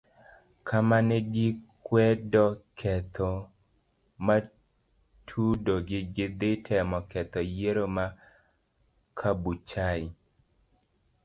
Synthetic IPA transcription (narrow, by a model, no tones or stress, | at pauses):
kʰamanɛɡɪkwɛdɔkʰɛt̪ʰɔ | ma | tʰudoɡɪɡɪd̪ɪtʰɛmɔkɛt̪ɔjeɾoma | kʰabut͡ʃaɪ